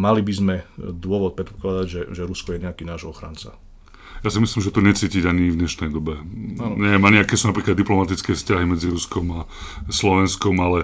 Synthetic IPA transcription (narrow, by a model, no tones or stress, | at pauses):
malibizmɛd̪ʊɔʋɔt̪̚pɾɛt̪pɔ̥klad̪aɟʒɛʒɛɾuskɔjɛɲɛakiːnaːʒɔxɾa̰nt͡sa̰ | jasimislimʒɛt̪ɔɲɛt͡siːciɟaɲivd̪ɲɛʃnɛjd̪ɔbɛanɲɛmaɲɪakɛːsunapɾiːklad̪ːiplɔmat̪it͡skɛːfscaɦimɛd͡ziɾuskɔma | slɔʋɛnskɔmalɛ